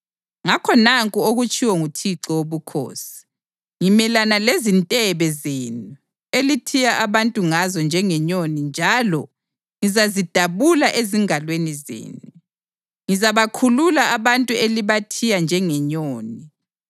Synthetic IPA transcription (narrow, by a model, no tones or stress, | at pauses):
ŋakʰɔnaŋkʼuoɣut͡ʃʼiwɔŋutʰiǁɔwoβukʰo̰ːsi̥ | ŋimɛlanalezintʼɛβɛzeːnu | elitʰijaʔaβantʼuŋazɔnd͡ʒʱɛŋɛɲonind͡ʒʱalɔ | ŋizazid̥ʱaβulaʔeziŋalwenizḛːnu | ŋizaβakʰululaaβantʼueliβatʰijand͡ʒʱɛŋɛɲoːni